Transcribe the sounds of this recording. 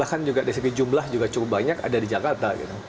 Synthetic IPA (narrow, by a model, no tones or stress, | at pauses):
ahkand͡ʒuɡadaisəɡid͡ʒumlahd͡ʒuɡat͡ʃukʊp̚baɲaka̰dadid͡ʒakart̪aɡḭt̪ʊ